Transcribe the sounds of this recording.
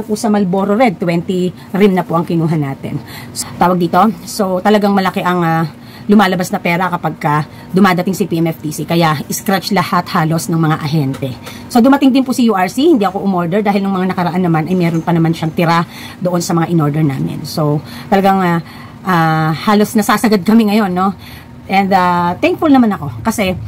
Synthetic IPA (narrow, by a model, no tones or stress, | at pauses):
ɐŋpʊsɐmɐlboːɾoɾɛd̪̚t̪wɛnt̪i | ɾɪmnɐpoʔɐŋkɪnuːɦɐnːaːt̪ɛ̰nst̪aːwɐɡd̪iːt̪o̞so̞t̪ɐlɐɡaŋmɐlɐkɛʔɐŋa | lʊmaːlɐbasnɐpɛːɾɐkɐpaɡ̚kɐ | d̪ʊmaːd̪ɐt̪ɪŋsɪpiʔɛmɛft̪isikɐjaʔɪskɾɛt͡ʃlɐhat̪haːlo̞snɐŋmɐŋaʔɐɦɛnt̪ɛ | sod̪ʊmɐt̪ɪŋd̪ɪnpʊsɐjuːʔaɹsihɪnd̪iːʔɐko̞ʔʊmoɹd̪ɛɹd̪aːhɪlnɐŋmɐŋanɐkɐɾɐʔanːɐmanʔɐjmɛːɾonpɐnɐmanʃaŋt̪ɪɾa | d̪oʔo̞nsɐmɐŋaʔɪno̞ɹd̪ɛɹna̰ːmɪ̰nso̞t̪ɐlɐɡaŋa | ʔaːhaːlo̞snɐsaːsɐɡad̪̚kɐmɪŋɐjo̞nːo̞ | ʔɛnd̪at̪ɛŋkfʊlnɐmanɐko̞kɐsɛ